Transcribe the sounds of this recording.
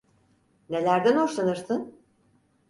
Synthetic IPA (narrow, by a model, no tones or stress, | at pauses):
ne̞lʲæɾd̪ænoʃlˠanɯɾsɯn